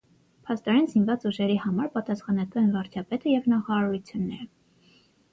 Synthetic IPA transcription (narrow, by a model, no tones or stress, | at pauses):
pʰɑst̪ɔɾɛnzinvɑt͡suʒɛɾihɑmɑɾpɑt̪ɑsχɑnɑt̪uɛnvɑɾt͡ʃʰɑpɛt̪əjɛvnɑχɑɑɾut͡sʰjunːɛɾə